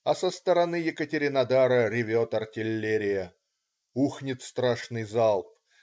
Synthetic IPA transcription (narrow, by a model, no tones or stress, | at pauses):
ɐsəst̪əɾɐnɨjɪkətʲɪɾʲɪnɐd̪aɾəɾʲɪvʲot̪ɐrtʲɪlʲːeɾʲɪjə | uxnʲɪt̪st̪ɾaʂnɨjzalˠp̚